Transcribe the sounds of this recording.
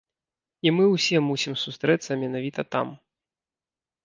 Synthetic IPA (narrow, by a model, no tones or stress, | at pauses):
imɨwsʲɛmusʲimsust̪ɾɛt̪sːɐmʲɛnavʲit̪ɐt̪a̰m